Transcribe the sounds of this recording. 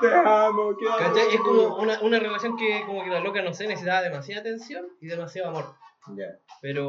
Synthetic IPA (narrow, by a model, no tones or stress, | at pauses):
eamokekat͡ʃajeskomounaʔunarelasjo̞ŋkekomokelalokanosenesisit̪aβaðemasjaðat̪e̞nsjoniðemasjaoamoɾjapeɾo